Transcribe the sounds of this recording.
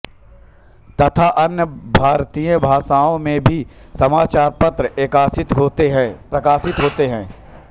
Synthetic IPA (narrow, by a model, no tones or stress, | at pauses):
t̪ɐt̪ʰaʔɐnjəbʱaːɾt̪ijə̃bʱaːʃaːõmẽbʱisɐmaːt͡ʃaːɾpɐt̪ɾəʔeːkaːsɪt̪ɦoːt̪eɦɛ̃pɾɐkaːʃɪt̪ɦoːt̪eɦɛ̃ː